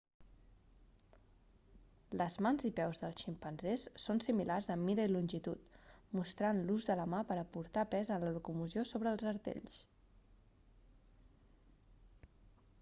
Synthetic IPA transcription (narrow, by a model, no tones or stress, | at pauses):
ləzmanzipɛwzðəlˠʃimpənzesːonsimilarzəmːiɾəilunʲʒit̪ut̪must̪ɾanluzðələmapəɾəpuɾt̪apɛzənləlukumuziosoβɾəːlˠzəɾt̪ḛʎs